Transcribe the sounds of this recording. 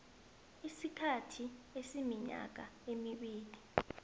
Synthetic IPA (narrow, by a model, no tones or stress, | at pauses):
isikʰatʰiesimiɲa̰k̬aemiɓiːli